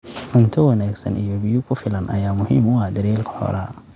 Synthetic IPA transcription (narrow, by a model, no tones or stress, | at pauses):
mʊnt̪ʰɔwɐnaːɡsɐnijɔbɪjʊkʰʊfɪlɐnʔɐ̰jaːmʊɦɪːmʊad̪ɐɾiːlkʰɐ̥hɔ̰ɾɐ